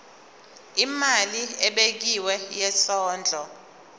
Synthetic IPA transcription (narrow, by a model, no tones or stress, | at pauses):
imaliɛɓek̬iwɛjɛsɔːnd͡ɮʱɔ